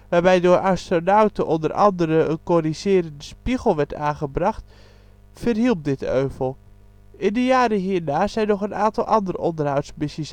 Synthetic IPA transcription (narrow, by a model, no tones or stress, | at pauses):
ʋaːrbɛjdoːrʔɑstronawtəʔɔndərʔɑ̰ndəɾəənkorizɪːɾəndəspiɣəl̩ˠʋɛɹtaːχəbrɑxt | fərɦilˠp̚dɪtøːvəlˠ | ɪndəjaːɾəɦiːnaːzɛjnɔχənaːntɑlˠʔɑndərɔndərɦawtsmɪsəs